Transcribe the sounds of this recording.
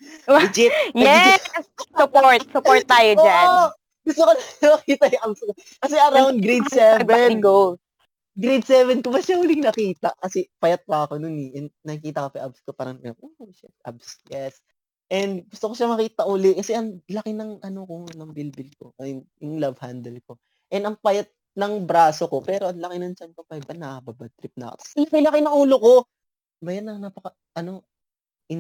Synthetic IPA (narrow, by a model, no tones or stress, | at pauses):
ɪd͡ʒɪjɛ | sʊpoɹt̪̚sʊpoɹt̪̚ːaːjooanː | ɡ̥ʊst̪okonɐmɐkiːt̪ɐjʊŋʔab̚sko | kɐsɛʔɐɾawnɡɾejd̪sɛvɛno | ɡɾed̪̚sɛːvɛnkobɐʃahʊlɪŋnɐkiːt̪ɐʔkɐsɛpɐjɐt̪̚pɐɐkonʊnɛʔɛnd̪nɐkiːt̪ɐkopɛʔab̚skopaːɾɐŋnɐkɪnɐbʔoʃapʔa̰bsjɛs | ʔɛnd̪ɡʊst̪oko̞ʃamɐkiːt̪ɐʔʊlɛkɐsɛʔɐŋlɐkɪnɐŋʔɐnoko̞nɐŋbɪlbɪlko̰ʔjʊŋlɐvhand̪ɛlko̞ | ʔɛnɐŋpɐjat̪̚ | nɐŋbɾaːso̞ko̞pɛːɾoʔɐŋlɐkɪnɐnt͡ʃɐnkopɐbɐnɐbabat̪ɾɪp̚nɐɐ̰kot̪ɐsilɐkɐjlɐkɪnɐŋuːloko̞ | baːjat̪nɐŋnapɐkɐ | ʔɐno̞ | ʔɪ